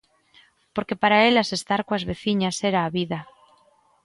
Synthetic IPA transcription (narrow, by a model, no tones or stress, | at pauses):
po̞ɾke̞paɾae̞lase̞st̪aɾkwazβe̞θiɲase̞ɾaːβiða